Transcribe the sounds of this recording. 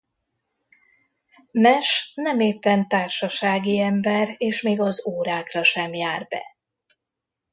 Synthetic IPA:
mɛʃnɛmeːpːɛnt̪aːrʃɒʃaːɡiɛmbɛreːʃmeːɡɒzoːɾaːkrɒʃɛmjaːrbɛ̰

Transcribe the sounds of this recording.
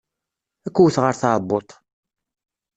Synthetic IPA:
ækʷːuwθʁəɾθɑbːot̪ˤ

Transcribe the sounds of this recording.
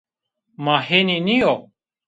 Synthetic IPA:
maːɦeninijo

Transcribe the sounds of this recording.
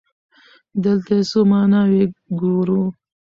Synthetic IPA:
d̪əlt̪asomɑːnɑweɡoɾu

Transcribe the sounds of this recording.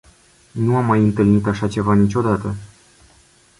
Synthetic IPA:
nuamːajɨnt̪ɨlnit̪aʃat͡ʃe̞vanit͡ʃʲo̞d̪at̪ə

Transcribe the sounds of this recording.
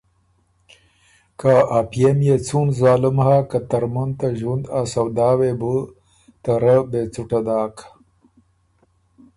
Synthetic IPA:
kaapijemjet͡sunzaːlɪmhaːkat̪ɐɾmunt̪aʒwund̪asawd̪aːwebu | t̪ɐɾəbet͡suʈad̪aːk

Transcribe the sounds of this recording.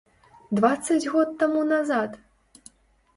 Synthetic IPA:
d̪vat̪sːɐd͡zʲɣɔt̪ːamunazat̪

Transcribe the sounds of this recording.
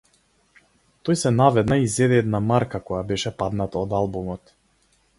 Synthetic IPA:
t̪ɔjsɛnavɛd̪naizɛd̪ɛɛd̪namaɾkakɔjabɛʃɛpad̪nat̪aɔd̪alˠbumɔt̪

